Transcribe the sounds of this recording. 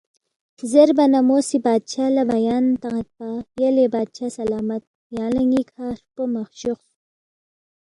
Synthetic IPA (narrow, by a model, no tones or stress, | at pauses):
zeɾbɐnamoːsibaːd̪̚t͡ʃaːlabajaːnt̪aŋat̪̚pajelebaːd̪̚t͡ʃaːsɐlaːmɐt̪̚ | jɑːlɐŋɡikʰaːɾpomaxɕux